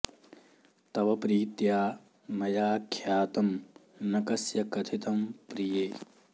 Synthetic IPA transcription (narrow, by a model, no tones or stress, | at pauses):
t̪ɐʋɐpɾiːt̪jaː | nɐjaːkʰjaːt̪ɐmnɐkɐsjɐkɐt̪ʰit̪ɐmpɾijeː